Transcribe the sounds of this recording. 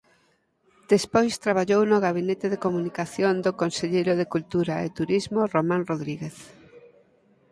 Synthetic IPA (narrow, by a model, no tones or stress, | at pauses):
d̪̥espojst̪ɾaβ̞aʎownʊɣaβinet̪ɪðekomunikaθjond̪okonseʎejɾʊðekult̪uɾaḛt̪uɾizmoromãnroðɾiɣeθ